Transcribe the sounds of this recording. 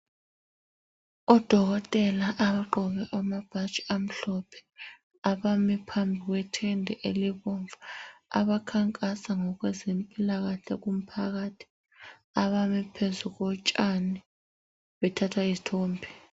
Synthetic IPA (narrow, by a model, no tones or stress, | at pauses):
ɔd̥ʱɔɣ̬ɔtʼɛlaʔaβaǃɔɓɛʔamab̥ʱḁt͡ʃʼi̥am̩ɬɔpʰɛ̥ | aɓamipʰambʱik̬wɛtʰɛndʱɛʔeliɓɔɱvʱaa̰ɓakʰaŋkʼasaŋɔk̬wɛzempʼilaɣ̬aɬɛk̬um̩pʰaɣ̬atʰi̥ | aβamipʰezuɣ̬ɔt͡ʃʼanɛ | ɓɛtʰatʰwaizitʰoːmbʰʱɛ